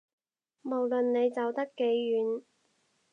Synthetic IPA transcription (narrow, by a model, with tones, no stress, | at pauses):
mo˨˩wlɵ˨nːe˨˧jt͡sɐ˨wt̪ɐ˥kːe˨˥jːyː˨˥n